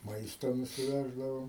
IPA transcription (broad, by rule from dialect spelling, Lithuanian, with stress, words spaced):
ˈmɐɪstoː nʊsʲɪˈʋʲæːʒdɐʋɐʊ